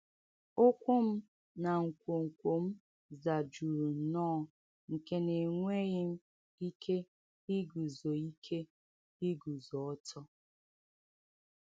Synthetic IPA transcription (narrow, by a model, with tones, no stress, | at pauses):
ʊ˦kʷʊ˦m̩˦ | na˨ŋ̩˨kʷo˨ŋ̩˨kʷo˨m̩˦ | za˨d͡ʒu˨ɾu˨n̩˨nɔː˦˨ | ŋ̩˨ke˦ne˨ŋʷe˦ɣɪ˦m̩˦ | i˦kʰe˦ | i˦ɡu˨zo˨i˦kʰe˦ | i˦ɡu˨zɔ˨ɔ˦tʰɔ˦